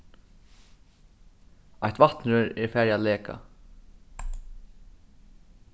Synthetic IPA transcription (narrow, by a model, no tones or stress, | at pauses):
ajht̪vaht̪nɾʏɾɛɹfæːɾjalɛːka̰